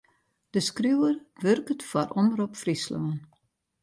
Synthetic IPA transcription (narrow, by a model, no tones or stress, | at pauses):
d̥əskrywərʋørkətfarʔɔməɾopfrisloən